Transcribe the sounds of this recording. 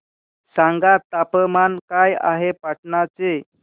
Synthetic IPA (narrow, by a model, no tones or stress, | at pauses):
saŋɡat̪ːapəmankaja̰ɦepaʈɳat͡se